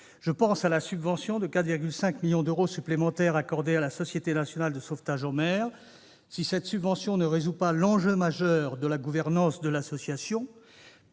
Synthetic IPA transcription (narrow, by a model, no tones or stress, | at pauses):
ʒ̥əpɑ̃salasybvɑ̃sjɔ̃d̪əkat̪viʁɡʲylsɛ̃kmiljɔ̃d̪øʁosyplemɑ̃t̪ɛʁakɔʁd̪ealasɔsjet̪enasjɔnald̪əsoft̪aʒɑ̃mɛːʁ | sisɛt̪sybvɑ̃sjɔ̃nəʁezupalɑ̃ʒømaʒœʁd̪əlaɡuvɛʁnɑ̃sd̪əlasɔsjasjɔ̃